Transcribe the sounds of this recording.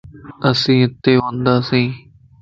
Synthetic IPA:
əsĩːɪt̪ːeːɦõːnd̪aːsĩː

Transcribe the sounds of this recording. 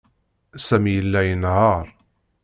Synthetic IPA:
sæmjəlːæjənhɑɾˤ

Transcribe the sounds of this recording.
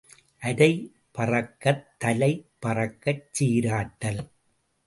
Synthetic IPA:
ʔɐɽɐɪ | pɐrɐkːɐt̪ːɐlɐɪpɐrɐkːɐt͡ʃːiːɾaːʈːɐl

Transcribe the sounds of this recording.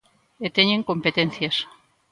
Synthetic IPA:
et̪eɲeŋkompet̪enθjas

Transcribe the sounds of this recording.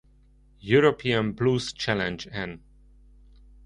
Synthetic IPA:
juɹopʰiə̃nblust͡ʃʰælɛ̃nd͡ʒɛ̃n

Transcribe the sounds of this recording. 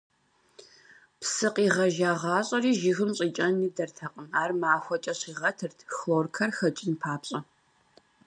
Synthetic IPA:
psɨqʼiːʁɐʒaːʁɑːɕʼɐriːʒɪɣɨmɕʼiːt͡ʃʼɐnːiːdɐrtʰɐqʼəmaːrmaːxʷɔt͡ʃʼɐɕiːʁɐtʰɨrtʰxloːrkʰɐrxɐt͡ʃʼɪnpʰaːpɕʼɐ

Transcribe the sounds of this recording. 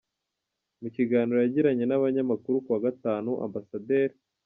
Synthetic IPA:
muciɡaːniɾojaɟiɾaɲe̞naβaɲamakuɾukuwaɡataːnuʔa̰mbasade̞ɾi

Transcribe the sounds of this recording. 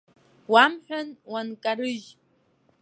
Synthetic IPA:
wamħᶣʷanwankʼaɾɨʒ

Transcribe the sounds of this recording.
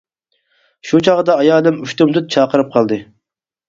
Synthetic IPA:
ʃut͡ʃʰɑʁəd̪ɑɑjɑːlɨmyʃt̪umt̪ʰɨt̪̚t͡ʃʰɑːqəɾɨp̚qʰɑlˠd̪ɨ

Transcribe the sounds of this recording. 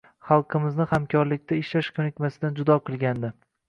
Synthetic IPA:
χɑlˠqʰɨmɪznɪχamkʰɒɾlɪkʲt̪ʰaɪʃlaʃkʲʰɵnɪkʲmasɪd̪and͡ʒʊd̪ɒqʰɨlˠɡʲand̪ɪ

